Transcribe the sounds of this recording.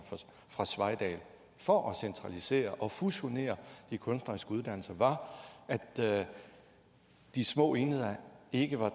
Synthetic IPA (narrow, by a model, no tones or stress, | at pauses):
fʁɑ̈sʋɑ̈ɪd̥ɛ̰ːl | fɒ̽ʔɒsent͡sʰʁɑ̈lise̝̰ːɐʔɒ̽fuɕo̝ne̝̰ːɐd̥ikʰɔ̽nsd̥ʁɐisɡ̥əuðˠd̥æn̰l̩sɐʋɑ̈æ̥ | d̥ismɔ̰̽ːe̝ːnəð̞̩ˠɐe̝ɡ̥əʋɑ̈